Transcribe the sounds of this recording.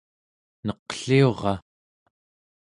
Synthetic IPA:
nʌqɬio̞ʁɑ

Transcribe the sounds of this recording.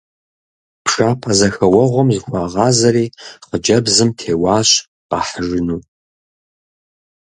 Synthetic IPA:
pʰʂaːpʰazɐxɐwɐʁʷɔmzɨxʷɑːʁɑːzɐɾiːqəd͡ʒɐbzɨmtʰeːwɑːɕ | qɑ̰ːħəʒɨnuː

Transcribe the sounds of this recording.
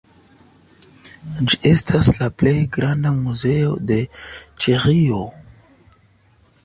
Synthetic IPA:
d͡ʒiʔe̞stʰaslaple̞jɡɾandamuze̞o̞̰de̞t͡ʃeʁio

